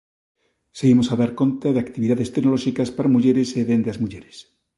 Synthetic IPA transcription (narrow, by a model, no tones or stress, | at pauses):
seɣimosaðaɾko̞nt̪aðeakt̪iβiðaðe̞st̪eɡnoloʃikaspaɾamuʝeɾeseðend̪azmuʝeɾes